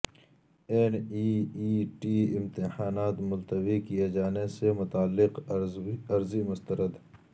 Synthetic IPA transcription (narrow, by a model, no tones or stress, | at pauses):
eːniːiːʈiːɪmt̪ɪhaːnaːt̪mʊlt̪əwikijed͡ʒaːnesemʊt̪aːlːɪq | ɐɾzimʊst̪əɾəd̪